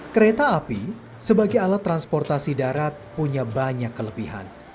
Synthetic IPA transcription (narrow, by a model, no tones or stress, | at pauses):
kəɾet̪aːpi | səbaɡajalat̪ːɾanspɔrt̪asidaɾat̪̚puɲabaɲakːələbiɦa̰n